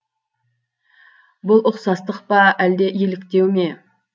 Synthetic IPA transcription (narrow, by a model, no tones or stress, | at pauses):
bʊlˠʊqsɑst̪əqpɑæld̪e̞ʔjelɪkt̪e̞wme̞